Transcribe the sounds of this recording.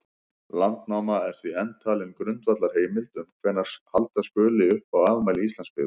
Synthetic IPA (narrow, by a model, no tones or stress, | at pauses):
lant̪nawmaɛɾ̥θviɛnt̪ʰaːlɪnkɾʏnt̪vat̪laɾ̥heːjmɪlt̪ʏmkʰvɛːnːaɾ̥halt̪askœːlɪʏhpawaːvʏmajlɪist̪lanspɪ̰ɣð